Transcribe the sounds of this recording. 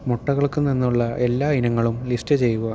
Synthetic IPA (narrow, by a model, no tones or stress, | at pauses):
moʈːɐɣɐɭkɨninːuɭːɐʔe̞lːaːinɐŋːɐɭumlistɨt͡ɕe̞jːuʋɐ